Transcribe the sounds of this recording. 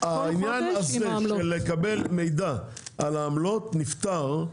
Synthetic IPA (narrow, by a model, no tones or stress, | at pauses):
ainjanazeʃelekabe̞lme̞jd̪aʔalaːmlo̞tnift̪aʁ